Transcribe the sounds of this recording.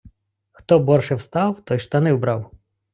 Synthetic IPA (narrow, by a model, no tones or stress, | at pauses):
xt̪ɔbɔrʃɛwst̪ɑwt̪ɔjʃt̪ɐnɪwbɾɑw